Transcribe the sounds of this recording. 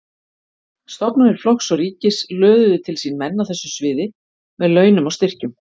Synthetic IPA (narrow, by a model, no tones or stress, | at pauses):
st̪ɔpnaɾɪɾ̥flɔxsɔɣriːcɪslœːðʏðʏt̪ʰɪlsinmɛnːawθɛsːʏsvɪːðɪ | mɛðlœːɥnʏmɔɣst̪ɪr̥cʏm